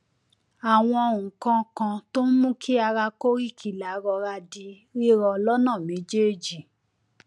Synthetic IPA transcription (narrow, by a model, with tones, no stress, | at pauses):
a˨w̃ɔ̃˧˨ũ˨kã˧kã˧to˦mũ˦kʰi˦a˧ɾa˧ko˦ɾi˦˨kʰi˨la˨˦ɾɔ˧ɾa˧di˧ | ɾi˦ɾɔ˧lɔ˦nã˦˨mĩ˨˦d͡ʒe˦˨d͡ʒi˨